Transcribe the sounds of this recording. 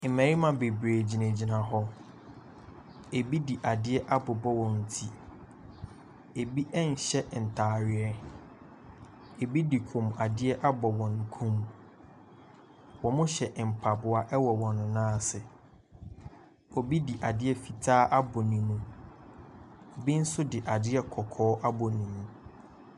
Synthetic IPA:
m̩˨mɛ̃˨ɾi˦mã˨be˨bɾeː˨d͡ʑi˨næ̃˨d͡ʑi˨nã˨ɦɔ˦ | e˨bi˦di˨ʔa˨dɪ˦ɛ˦ʔa˦bʊ˨bɔ˦wɔ̃˨n̩˨tʰi˦ | e˨bi˦ʔɛ˦n̩˨ɕɛ˦ʔn̩˨tʰaː˨ɾɪ˨ɛ˦ | e˨bi˦di˨kʰũ˨m˨a˨dɪ˦ɛ˦ʔa˦bɔ˨wɔ̃˨ŋ˨kʰũ˦m˨ | wɔ̃˨mʊ̃˦ɕɛ˨ʔm̩˨pʰa˨bʊ˨a˦ʔɛ˦wɔ˨wɔ̃˨nʊ̃˨nãː˦˨sɪ˨ | ɔ˨bi˦di˨ʔa˨dɪ˦ɛ˦fi˨tʰaː˦ʔa˦bɔ˨nĩ˨nũ˦ | o˨bi˦n̩˦sʊ˦dɪ˨ʔa˨dɪ˦ɛ˦kʰɔ˨kʰɔː˦ʔa˦bɔ˨nĩ˨nũ˦

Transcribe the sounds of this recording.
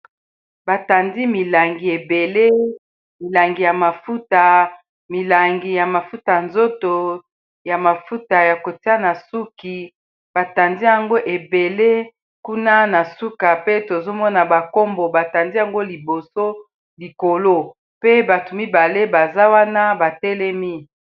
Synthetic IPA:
ba˨ta˨ndi˦mi˨la˨ŋɡi˨e˨be˨le˦ | mi˨la˨ŋɡi˨ja˨ma˨fu˦ta˨ | mi˨la˨ŋɡi˨ja˨ma˨fu˦ta˨nzo˦to˨ | ja˨ma˨fu˦ta˨ja˨ko˨ti˦a˦na˨su˦ki˨ | b̥a˨ta˨ndi˦ja˨ŋɡo˦ʔe˨be˨le˦ | ku˦na˦na˨su˦ka˨pe˦to˨zo˦mɔ˦na˨ba˨ko˦mbo˨ba˨ta˨ndi˦ja˨ŋɡo˦li˨bo˨so˦ | li˨ko˨lo˦ | pe˦ba˨tu˨mi˦ba˨le˦ba˨za˦wa˦na˦ba˨tɛ˦lɛ˦mi˦

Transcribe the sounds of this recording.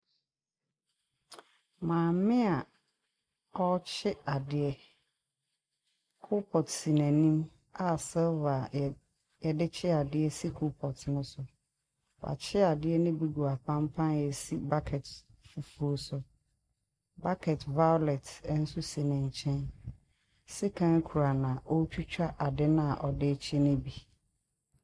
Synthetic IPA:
mãː˨mɪ̃˦a˨ | ɔ˦t͡ɕʰɪ˦a˨dɪ˨ɛ˦ | kʰʊ˦pʰɔ˨tsi˨nɛ̃˨nĩ˦m | a˨sɛ˦va˨ | jɛ˨dɪ˦t͡ɕʰɪ˦a˨dɪ˦ɛ˦si˦kʰu˦pʰɔ˨tnʊ̃˦sʊ˨ | wa̰˨t͡ɕʰɪ˦a˨dɪ˦ɛ˦nɪ̃˦bi˦ɡu˨a˨pʰã˦mpʰã˦njɛ˨si˦ba˦kʰɛ˨tfu˨fu˦o˦sʊ˨ | ba˦kʰɛ˨tva˦jɔ˦lɛ˨tɛ˦n̩˦su˦si˨nɛ̃˨ɲ˨t͡ɕʰɛ̃˦n | si˦kʰã˦nkʰu˨ɾa˨nã˨ʔɔ˦t͡ɕʰᶣu˦t͡ɕᶣa˦ʔa˨dɪ˦nã˦a˨ʔɔ˨dɪ˦t͡ɕʰɪ˦nɪ̃˦bi˨

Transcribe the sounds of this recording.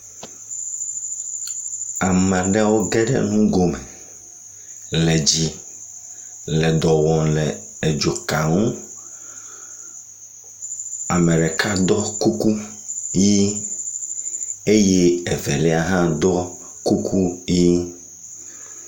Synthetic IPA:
a˨m˨ã˨ɖɛ˦wo˦ɡɛ˦ɖɛ̰˦nũ˦ɡo˨mɛ˨ | lɛ˨d͡ʑi˦ | lɛ˨d̪ɔ˨wɔ̃˨lɛ˨ | e˨d͡ʒo˨ka˨ŋũ˦ | a˨mɛ̃˨ɖɛ˨ka˦d̪ɔ˦ku˦ku˦ | ji˦ | e˦je˦ɛ˨vɛ˨lɛ˦a˨ɦã˦d̪ɔ˦ | ku˦kʰu˦ji˦

